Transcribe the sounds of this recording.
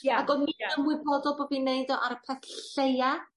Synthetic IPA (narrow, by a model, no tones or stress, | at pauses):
aɡɔmiənmuɨbɔdɔlˠbobineɨdɔʔaɾəpʰɛθɬeja